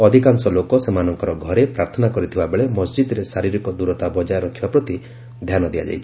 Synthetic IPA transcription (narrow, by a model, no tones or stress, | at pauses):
ɔd̪ʱikansɔlokɔsemanɔŋkɔɾɔɡʱɔɾepɾaɾt̪ʰɔnakɔɾit̪ʰibabeɭemɔsd͡ʒid̪ɔɾesaɾiɾikɔd̪uɾɔt̪abɔd͡ʒajɾɔkʰibapɾɔt̪i | d̪ʱjanɔd̪ia̰d͡ʒa̰jt͡ʃʰi